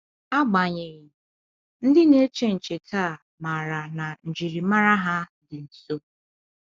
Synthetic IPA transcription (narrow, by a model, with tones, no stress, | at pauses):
a˦ɡ͡ba˨ɲɪ˨ɣɪ˨ | n̩˦dɪ˦ne˦t͡ʃe˦n̩˨t͡ʃe˨kʰa˦˨ | ma˨ɾa˨na˨n̩˨d͡ʒi˨ɾi˨ma˦ɾa˦ɦa˦dɪ˨n̩˨so˦